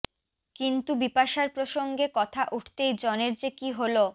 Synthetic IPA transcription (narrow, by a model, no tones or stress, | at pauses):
kint̪ubipaʃaɾpɾoʃoŋɡekɔt̪ʰaʔuʈʰt̪ejd͡ʑɔneɾd͡ʑekiɦolo